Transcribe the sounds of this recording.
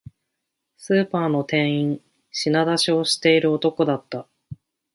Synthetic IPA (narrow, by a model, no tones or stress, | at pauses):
sɨːpaːno̞t̪ẽ̞ɰ̃ĩɴ | ɕinad̪aɕio̞ɕi̥t̪e̞iɾɯ̟ot̪o̞ko̞d̪at̪ːa